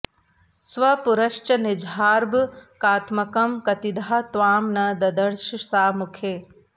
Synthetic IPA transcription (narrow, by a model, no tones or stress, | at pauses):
sʋɐpuɾɐʃt͡ʃɐnɪd͡ʒʱaːɾbkaːt̪mɐkɐmkɐt̪id̪ʱaːt̪ʋaːmnɐd̪ɐd̪ɐɾʃsaːmukʰe